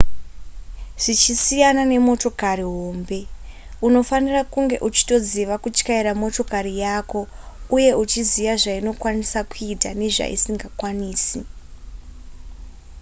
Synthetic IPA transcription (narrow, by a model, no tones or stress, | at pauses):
ʐ̥it͡ʃisijanane̞mo̞to̞kariɦo̞mbe̞ | uno̞fanirakuŋɡe̞ʔut͡ʃi̥to̞d͡ziʋakut͡ʃkaiɾamo̞to̞karijaːko̞ | uje̞ut͡ʃizijaʐaino̞kwanisakuitane̞ʐa̰ḭsiŋɡakwaniːsi